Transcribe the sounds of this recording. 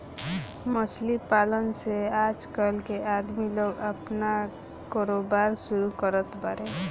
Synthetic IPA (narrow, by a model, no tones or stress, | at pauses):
məslipalənsead͡ʒkəlkead̪miloɡəpna | koɾobaɾsuɾukəɾət̪baɾe